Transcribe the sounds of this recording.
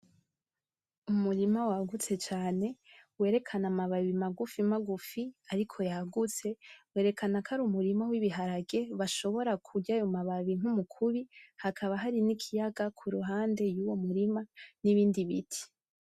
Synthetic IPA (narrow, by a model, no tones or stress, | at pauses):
umuɾimawaɡut͡se̞t͡ʃaːne̞we̞ːɾe̞kʰanamaβaβimaɡufimaɡufiaɾikʰo̞jaɡut͡se̞we̞ːɾe̞kʰanakʰaɾumuɾimawiβiɦaɾaɡe̞βaʃo̞βo̞ɾakʰuɟajomaβaβiŋ̥umukʰuβihakʰaβaɦaɾinikʰijaɡakʰuɾuɦaːnde̞juwo̞muɾimaniβiːndiβitʰi̥